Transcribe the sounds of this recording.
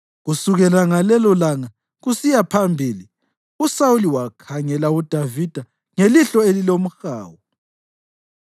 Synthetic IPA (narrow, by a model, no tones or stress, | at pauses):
ɣusuɣɛlaŋalɛlɔlaŋa | ɣusijapʰambʱiːli | usauliwakʰaŋɛlaud̥ʱavid̥ʱa | ŋeliɬɔelilom̩xa̰ːwɔ